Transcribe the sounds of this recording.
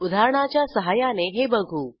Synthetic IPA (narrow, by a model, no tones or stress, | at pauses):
ud̪ʱaɾɽ̃at͡ɕjasəɦajaneɦebəɡʱuː